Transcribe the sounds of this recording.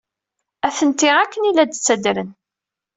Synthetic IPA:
æθənt̪iʁækːənilæd̪t͡sːæd̪ɾən

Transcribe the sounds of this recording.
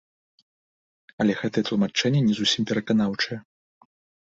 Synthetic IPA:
ɐlʲɛɣɛt̪ɐjɛt̪lˠumat͡ʂɛnʲːɛnʲɛzusʲimpʲɛɾɐkanawt͡ʂɐjɛ

